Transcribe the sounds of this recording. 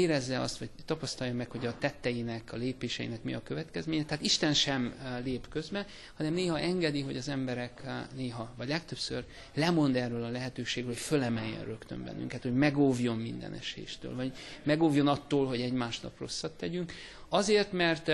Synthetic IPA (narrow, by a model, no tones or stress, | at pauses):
eːɾɛzːɛɒ̰st̪ʋɒɟt̪ːɒpɒst̪ɒjɒmɛkho̞ɟɒt̪ɛt̪ːɛjinɛkɒleːpeːʃɛjḭnɛkmiɒkøvɛt̪kɛzmeːɲɛt̪ɛɦaːt̪iʃt̪ɛnʃɛmleːpkø̞zbɛ | hɒnɛmneːɦɒʔɛŋɡɛd̪iɦo̞̰ɟɒzɛmbɛɾɛkneːɦɒvɒɟlɛkt̪ø̞psø̰r | lɛmo̞nd̪ɛrːøːlɒlɛɦɛt̪øːʃeːɡrøːlhocfølɛmɛjːɛ̰nrøkt̪ø̰mbɛ̰nːy̰ŋkɛt̪ho̞ɟmɛɡovjo̞mmind̪ɛ̰nɛ̰ʃḛːʃt̪ø̰ːlvɒɟmɛɡoːvjo̞nɒt̪ːoːlɦoɟɛɟmaːʃnɒ̰pro̞̰sːɒt̪ːɛɟyŋk | ɒzeːrt̪mɛrt̪